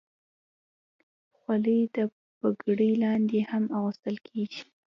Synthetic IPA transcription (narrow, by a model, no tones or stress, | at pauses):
xwaləjd̪ə | b̥aɡɽəjlɑnd̪ehamaɣəst̪əlkʰeɡi̥